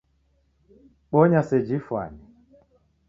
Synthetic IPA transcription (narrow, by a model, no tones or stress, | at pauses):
ɓɔɲasɛd͡ʒifwa̰ni